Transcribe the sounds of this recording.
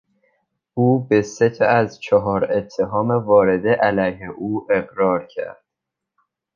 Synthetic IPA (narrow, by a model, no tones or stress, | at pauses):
ʔuːbe̞set̪ʰæzt͡ʃʰɒɦɒːɾe̞t̪ʰːe̞ɦɒːmevɒːɾe̞d̪eʔælæjɦeʔuːʔe̞ɣɾɒːɾcʰæ̰ɾd̪̥